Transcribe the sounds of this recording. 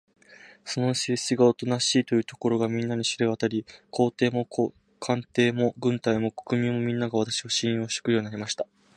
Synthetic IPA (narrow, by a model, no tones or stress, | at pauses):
so̞no̞ɕiiɡaot̪o̞naɕiːt̪o̞jɯ̟ːt̪o̞̥ko̞ɾo̞ɡamʲĩnːaɲ̟iɕiɾeβat̪aɾʲikʰo̞ːt̪e̞ːmo̞k | kʰãnt̪e̞ːmo̞ɡɯ̟̃nt̪aimo̞ko̞̥kɯ̟mʲĩmːo̞mʲĩnːaɡaβ̞at̪ḁɕiβaɕĩɰ̃joːɕt̪e̥kɯ̟jo̞ːɲ̟inaɾʲimaɕi̥t̪a